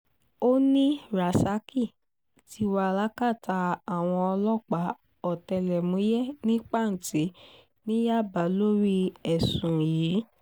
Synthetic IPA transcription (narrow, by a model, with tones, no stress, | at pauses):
o˦nĩ˦ɾa˨sa˦ki˦˨ | ti˧˦wa˧la˦ka˦˨ta˧a˨w̃ɔ̃˧ɔ˧lɔ˦˨k͡pa˨˦ | ɔ˦˨tɛ˧˨lɛ˨mũ˨˦jɛ˦nĩ˦k͡pa˦˨n̩˨ti˨˦ | nĩ˦ja˦˨ba˨˦lo˦ɾi˦ɛ˨sũ˨jiː˨˦